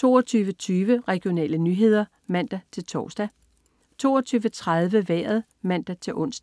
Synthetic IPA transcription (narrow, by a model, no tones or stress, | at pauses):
t͡sʰo̝̰ːɒt͡sʰyːʋət͡sʰyːʋəʁɛɡ̥io̝nɛ̰ːlənyːɦe̝ð̞̰ˠɐ | mæn̰d̥æt͡sʰe̝lt͡sʰɒːsd̥æ | t͡sʰo̝̰ːɒt͡sʰyːʋət͡sʰʁað̞ˠʋəʋɛ̰ːɐð̩ˠ | mæn̰d̥æt͡sʰe̝lʔɔ̽n̰sd̥æ